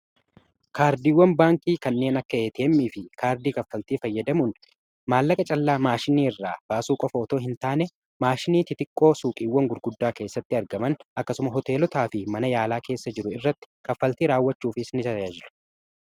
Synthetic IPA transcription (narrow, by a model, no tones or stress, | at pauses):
kʰaːɾd̪iːwːɐnbaːŋkiːkɐnːe̞ːnɐkːɐeːt̪ʰe̞ːmːiːfɪkaːɾd̪iːkɐfːɐlt̪iːfɐjːɐd̪ɐmʊn | maːlːɐkʼɐt͡ʃʼɐlːaːmaːʃɪniːɪrːaːb̥aːsuːkʼɔfɐːt̪o̞ːɦɪnt̪aːnɛ | maːʃɪniːt̪ɪt̪ɪkʼːo̞ːsuːkʼiːwːɐŋɡʊɾɡʊd̪ːaːke̞ːsːɐt̪ːɪɐɾɡɐmɐnɐkːɐsʊmɐɦɔt̪e̞ːlɔt̪aːfɪmɐnɐjaːlaːke̞ːsːɐd͡ʒɪɾʊɪrːɐt̪ːɪ̥kɐfːɐlt̪iːɾaːwːɐt͡ʃːuːfɪsnɪt̪ɐɐd͡ʒɪɾʊ̥